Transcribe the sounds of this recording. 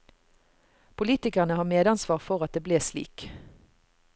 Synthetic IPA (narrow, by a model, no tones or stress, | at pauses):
pʰʊliːt̪ɪkəʁnəhɑːʁmeːd̪ɑnsʋɑːʁfɔʁɑt̪̚d̪eːbleːslḭːk